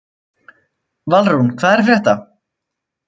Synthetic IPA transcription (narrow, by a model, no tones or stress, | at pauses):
valɾunkʰvaːðɛɾ̥fɾjɛht̪a